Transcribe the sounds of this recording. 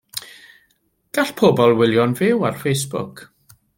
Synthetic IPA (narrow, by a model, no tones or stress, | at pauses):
ɡ̥aɬpʰɔbɔlˠwɪlˠjɔnvɪwarfejsb̥ʊ̰kʰ